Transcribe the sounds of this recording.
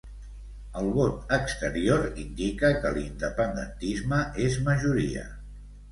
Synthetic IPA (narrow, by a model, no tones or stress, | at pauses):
əlˠβot̪əkst̪əɾioɾind̪ikəkəlind̪əpənd̪ə̰nt̪izməʔezməʒuɾiə̰